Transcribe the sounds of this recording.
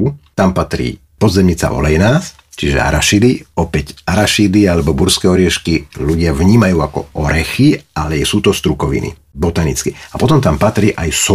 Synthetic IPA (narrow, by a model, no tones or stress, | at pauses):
t̪ampat̪ɾḭː | pɔd̪zɛmɲit͡sa̰ʔɔ̰lɛjnaːs | t͡ʃiʒɛ̰a̰ɾaʃid̪iɔpɛɟaɾaʃid̪ialɛbɔbuɾskɛːɔɾɪɛʃkiluɟɪaʋɲiːmajuːakɔ̰ɔɾɛxialɛɛsuːt̪ɔst̪ɾukɔʋḭnḭ | bɔt̪anit͡skiapɔt̪ɔmt̪ampat̪ɾiːʔajs